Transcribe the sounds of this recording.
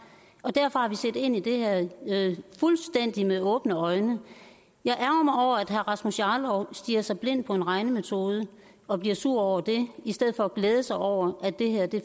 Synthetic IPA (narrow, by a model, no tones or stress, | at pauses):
ʔɒ̽d̥æɐfɒ̽hɑ̈ʋisḛːde̝n̰id̥e̝hæɐ̰ | fulsd̥en̰d̥imeɔ̽ːb̥nəɒ̽ɪnə | jɑ̈ɪʔæɐɡ̥ɐmɑ̈ɪɒʊ̰ɐæd̥ɦæɐʁɑ̈smusjɑːlɒʊsd̥iːɐsɑ̈ɪb̥le̝n̰d̥̚pʰɒ̽e̝nʁɑ̈ɪnəmet͡sʰo̝ːð̞ˠə | ɒ̽b̥liɐsuɐ̰ɒʊ̰ɐd̥e̝isd̥eð̞̩̰ˠfɒ̽ːɡ̥leːð̞ˠəsɑ̈ɪɒʊ̰ɐʔædd̥e̝heɐd̥e̝